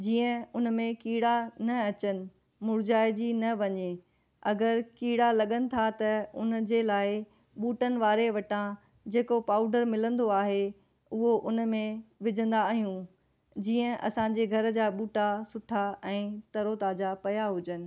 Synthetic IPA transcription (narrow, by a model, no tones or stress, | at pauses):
d͡ʑiːə̃ʊn̆mẽkiːɽanɐɐt͡ɕənɪ̆ | mʊɾd͡ʑaːɪd͡ʑinɐʋɐɲe | ɐɡəɾkiːɽalɐɠənɪ̆t̪ʰat̪ɐʊnd͡ʑeːlaːɪ | ɓuːʈənɪ̆ʋaːɾeʋɐʈã | d͡ʑeːkopaːʊɖəɾmɪlə̃nd̪oaːɦe | ʊɦoʔʊnmẽʋɪd͡ʑʱə̃nd̪aɦijũ | d͡ʑiːə̃ʔɐ̰sãɲd͡ʑeɡʱɐɾd͡ʑaːɓuːʈasʊʈʰaɛ̃ːt̪ɐɾot̪aːd͡ʑapɐjaɦʊd͡ʑənɪ̆